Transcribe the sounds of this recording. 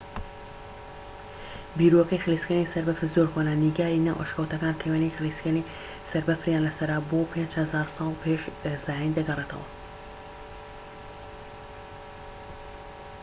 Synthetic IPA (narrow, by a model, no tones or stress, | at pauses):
biːɾoɐkɐjxɨliskənisɐɾbɐfɨzoɾxonaniɡaːɾina̰wʔə̰ʃkawt̪ɐkaːnt̪ʰejwanijxɨliskani | sɐɾbɐfɾjaːnlɐsɐɾabopʰend͡ʒhɐzaːɾsɑːlˠpʰeʃz̥aːjind̪ɐɡɐret̪ʰɐ̰wɐ̰